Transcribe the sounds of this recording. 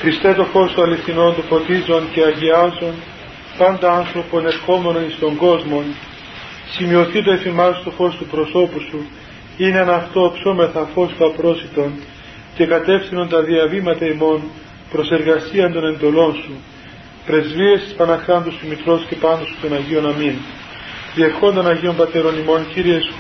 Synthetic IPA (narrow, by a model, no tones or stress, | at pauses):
xɾist̪et̪o̞fo̞st̪oɐliθino̞nt̪ofo̞t̪izo̞nce̞ɐʝiɐzo̞n | pɐnd̪ɐɐnθɾo̞po̞ne̞ɾxo̞me̞no̞nist̪o̞ŋɡo̞zmo̞n | simio̞θit̪oe̞fimɐst̪o̞fo̞st̪upɾo̞so̞pusu | ineenɐft̪oːpsome̞θɐfo̞st̪oɐpɾo̞sit̪o̞n | ce̞kɐt̪e̞fθinunt̪ɐðiɐvimɐt̪ɐimo̞n | pɾo̞se̞ɾɣɐsiɐnd̪o̞ne̞nd̪o̞lo̞nsu | pɾe̞zvie̞st̪i̥spɐnɐxɾɐnd̪usθimit̪ɾo̞sce̞pɐnd̪osut̪o̞nɐʝio̞nɐmin | ðieɾxo̞nd̪o̞nɐʝio̞mbɐt̪e̞ɾo̞nimo̞nciɾiesu